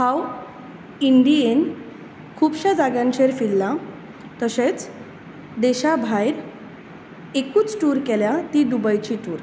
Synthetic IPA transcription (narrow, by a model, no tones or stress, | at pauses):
haw | iɳɖien | kʰuːbɕad͡zaɡjãnɕeɾfilːa | t̪əɕet͡s | d̪eɕabʱajɾ | ekuːt͡sʈuːɾkeljat̪iɖ̪ubajt͡ɕiʈuːɾ